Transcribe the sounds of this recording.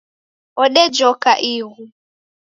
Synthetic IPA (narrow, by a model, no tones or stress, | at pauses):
ɔɗɛd͡ʒɔkaʔiɣu